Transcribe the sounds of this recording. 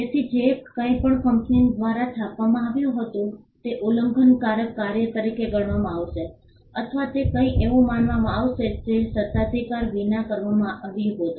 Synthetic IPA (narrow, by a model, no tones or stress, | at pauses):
d͡ʒet̪ʰid͡ʒekə̃ĩpəɳkəmkind̪ʋaɾat͡ʃʰapʋamãaʋjũɦət̪ũ | t̪eʔuləŋɡʱənkaɾəkːaɾjət̪əɾikeɡəɳʋamãːʋʃe | ət̪ʰəʋat̪ekə̃ĩʔeʋũmanʋamãaʋʃetesət̪ad̪ʱikaɾʋinakəɾʋamãʔaʋiɦot̪o